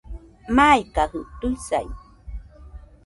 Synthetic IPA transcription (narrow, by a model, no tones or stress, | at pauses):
majkahɯt̪uisa̰j